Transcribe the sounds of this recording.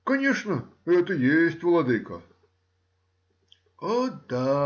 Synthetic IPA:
kɐnʲeʂnəɛt̪əjesʲtʲvlˠɐd̪ɨjkə | od̪a

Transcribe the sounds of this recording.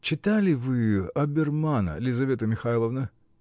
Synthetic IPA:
t͡ɕɪt̪alʲɪvɨɐbʲɪrmanə̰lʲɪzɐvʲe̞t̪əmʲɪxalˠəvnə

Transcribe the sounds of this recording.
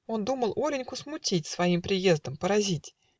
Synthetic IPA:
o̞nd̪uməlˠʔoɾʲɪnʲkʊsmʊtʲitʲsvɐimpɾʲɪje̞zd̪əmpəɾɐzʲitʲ

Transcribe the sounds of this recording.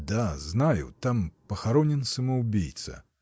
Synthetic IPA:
d̪aznajṵt̪ampɐxaɾɔnʲɛnsɐmɐwbʲijt̪sɐ̰

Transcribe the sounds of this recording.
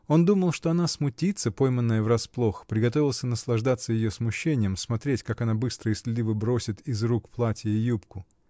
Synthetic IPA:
o̞nd̪uməlˠʂt̪oɐnasmʊtʲit̪səpo̞jmənːəjəvrɐsplˠo̞xpɾʲɪɡɐt̪̬o̞vʲɪlˠsʲənəslˠɐʐd̪at̪səjɪjosmʊɕːenʲɪjəmsmɐt̪ɾʲetʲkakɐnabɨst̪ɾəɪsʲlʲɪd̪ʲivɨbɾo̞sʲɪt̪ɪzrukplˠatʲɪjupkʊ

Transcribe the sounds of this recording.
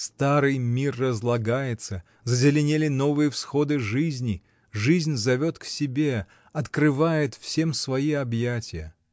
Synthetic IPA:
st̪aɾɨjmʲirːəzlˠɐɡajɪt̪sə | zəzʲɪlʲɪnʲelʲɪno̞vɨjəfsxo̞d̪ɨʐɨzʲnʲɪ | ʐɨzʲnʲzɐvʲo̞t̪ksʲɪbʲe̞ | ɐt̪kɾɨvajɪt̪fsʲe̞msvɐiɐbjatʲɪjə̰

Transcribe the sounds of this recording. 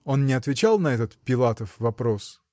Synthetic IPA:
o̞nnʲɪɐt̪vʲɪt͡ɕalˠnɐɛt̪ət̪pʲɪlˠat̪əfvɐpɾo̞s

